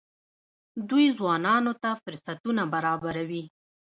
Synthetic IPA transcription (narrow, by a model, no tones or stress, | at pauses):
d̪ujzwɑnɑnot̪afʊɾsat̪unabaɾɑbaɾawi